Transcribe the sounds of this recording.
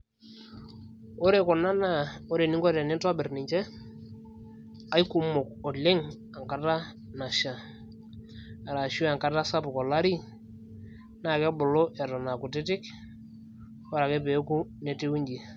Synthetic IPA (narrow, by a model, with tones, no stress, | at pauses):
o˦ɾe˨kɔ˨na˦na˦˨o˦ɾe˨nɪ˦ŋkɔ˦tɛ˨nɪ˦ntɔ˦bɪ˨rnɪ˨ɲt͡ʃɛ˦ | a˦jku˨mʊ˨kɔ˨lɪ˦ŋ | a˨ŋka˦ta˦ | na˨ʃa˨ | a˨ɾa˨ʃu˦a˨ŋka˦ta˦sa˦pkɔ˨la˦ɾi˦ | na˦˨kɛ˦bʊ˨lo˦ʔɛ˨tɔ˨na˨kʊ˨tɪ˦tɪ˦k | ɔ˦ɾa˨kɛ˦pe˨˦ku˦ne˦tɪ˦wu˦ɲd͡ʒi˨